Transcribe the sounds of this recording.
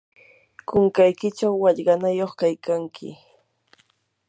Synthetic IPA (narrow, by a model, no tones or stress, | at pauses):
kʊŋkajkɪt͡ʃawːɑʎɢɑnajoχkajkaŋkʰɪ̰